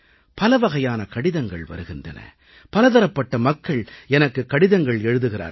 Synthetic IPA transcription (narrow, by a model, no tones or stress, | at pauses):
pɐlɐʋɐɣɐjaːnɐkɐɽɪðɐŋɡɐ̰ɭʋɐ̰ɾɯɣɪndɐ̰nɐ̰ | pɐlɐðɐɾɐpːɐʈːɐmɐkːɐɭɛnɐkːɯkːɐɽɪðɐŋɡɐɭɛɻɯðɯɣɪra̰ːɾ